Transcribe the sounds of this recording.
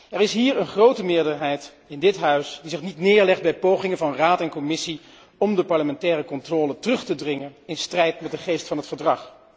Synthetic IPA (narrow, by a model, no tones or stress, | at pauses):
ɛɹɪsɦiːɹənχrowtəmɪːɹdəɹɦɛjt | ɪndɪtɦœɥsdizɪχnitnɪːɹlɛχd̚bɛjpowχɪŋənvɑnraːtɛnkɔmɪsi | ɔmdəpɑɹləmɛntɛːrəkɔntrɔːlətərɵχtədrɪŋənɪnstrɛjtmɛt̚dəχejstfɑnɦətfəɹdrɑχ